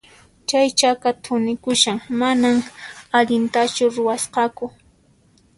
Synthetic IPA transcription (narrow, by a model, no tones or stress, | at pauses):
t͡ʃajt͡ʃakat̪ʰʊnɪkʊʃaŋmanamaʎɪnt̪at͡ʃʊɾʊwasqɑkʊ